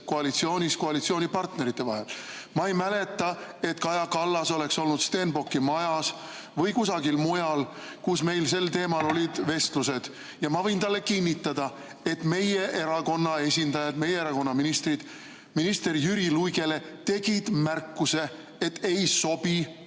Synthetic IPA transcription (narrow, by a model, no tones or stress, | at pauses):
koɑlit̪sio̞ːnʲiskoɑlit̪sio̞ːnʲipɑrt̪ne̞ɾit̪ːˑe̞vɑ̰ɦe̞lmɑejmæle̞t̪ːˑɑe̞t̪kɑjɑkɑlːɑso̞le̞kso̞lnud̪̥st̪e̞nbo̞kːimɑjɑs | vɤjkusɑɡilmujɑl | kusme̞jlse̞lt̪e̞ːmɑlo̞lʲid̪ve̞st̪luse̞d̪̥ | jɑmɑvɤjnt̪ɑlːe̞kinʲːit̪ːˑɑd̪̥ɑ | e̞t̪me̞je̞ʔe̞ɾɑko̞nːɑe̞sʲind̪ɑjɑd̪me̞jeeɾɑko̞nːɑminist̪rid̪̥ | minist̪e̞rjyɾilujɡe̞le̞ | t̪e̞ɡ̥id̪̥mærkːuse̞ | et̪ːe̞jso̞b̥i